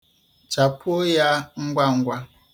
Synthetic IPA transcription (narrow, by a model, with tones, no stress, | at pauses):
t͡ʃa˨pʰo˦ja˦ŋ̩˦ɡʷa˦ŋ̩˦ɡʷa˦